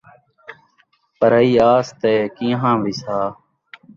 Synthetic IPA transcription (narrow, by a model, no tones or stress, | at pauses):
pəɾəiːaːst̪ɛːkĩːɦãːʋisaː